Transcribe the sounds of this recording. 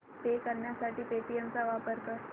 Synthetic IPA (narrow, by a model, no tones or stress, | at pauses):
pekəɾɳjasaʈiːpeʈiemt͡saʋapəɾkə